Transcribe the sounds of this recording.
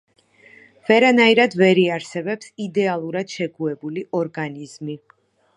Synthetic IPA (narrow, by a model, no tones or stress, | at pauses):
vɛɾanaiɾad̪vɛɾiaɾsɛbɛpsid̪ɛalˠuɾad̪̥ʃɛɡuɛbuliʔɔɾɡanizmi